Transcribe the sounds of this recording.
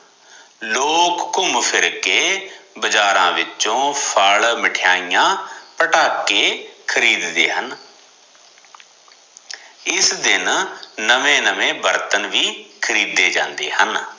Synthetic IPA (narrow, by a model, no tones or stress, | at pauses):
loːkːʊmpʰɪɾkeːbəd͡ʒaːɾã̰ːʋɪt͡ʃõːpʰəɭmɪʈʰjaːijãːpəʈaːkeːkʰəɾiːd̪ːḛːɦən | ɪsd̪ɪnnəmẽːnəmẽːbəɾt̪ənʋiːkʰəɾiːd̪eːd͡ʒã̰ːnd̪ḛːɦən